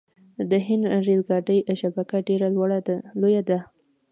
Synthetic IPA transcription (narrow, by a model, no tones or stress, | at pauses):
d̪əɦɪnd̪ɾelɡɑɖəjʃabakaɖeɾalwaɽad̪lojad̪a